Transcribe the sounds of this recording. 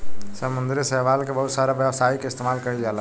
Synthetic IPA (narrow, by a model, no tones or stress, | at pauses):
sɐmʊ̃nd̪ɾisɛɦʋaːlkebɐɦʊt̪saːɾaʋjəʋsaːikeɪst̪eːmaːlkɐɾid͡ʒaːla